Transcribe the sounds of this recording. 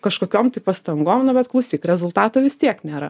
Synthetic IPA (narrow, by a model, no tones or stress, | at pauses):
kɐʃkoːkʲoːmt̪ɐɪpɐst̪ɐŋɡoːmnʊbʲɛt̪klˠɐʊsʲiːkɾʲɛzʊlˠt̪ɑːt̪oːʋʲɪst̪ʲiɛknʲeːɾɐ